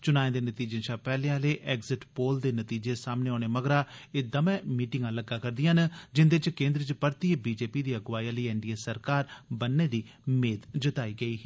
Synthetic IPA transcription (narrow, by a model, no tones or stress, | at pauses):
t͡ʃʊnaːẽd̪eːnət̪iːd͡ʒẽːʃʰaːpɛːleãːleːʔɛːɡzɪʈpoːld̪eːnət̪iːd͡ʒeːsaːmneːoːneːməɡɾaːeːd̪əmɛ̃ːmiːʈɪŋɡãːləɡːaːkəɾd̪ɪjãːnd͡ʒɪnd̪et͡ʃkẽːnd̪ɾət͡ʃpəɾt̪iːbiːd͡ʒeːpiːd̪iːəɡʋaːiãləiːɛːɳɖiːeːsəɾkaːɾbənːeːd̪iː | meːd̪d͡ʒət̪aːiːɡəiː